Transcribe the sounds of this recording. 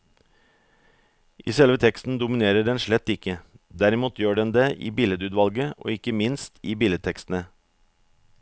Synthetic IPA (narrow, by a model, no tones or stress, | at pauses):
ʔḭːsɛlʋət̪ʰɛkst̪n̩d̪ʊmɪneːɾəɖɛnʃɭɛt̪ːɪkəd̪æɾɪmuːt̪ʰjøːɖɛnd̪eːʔḭːbɪləd̪ʉːd̪ʋɑlɡəʔo̰ːɪkəmɪnst̪ʰiːbɪləd̪t̪ʰɛkst̪n̩ə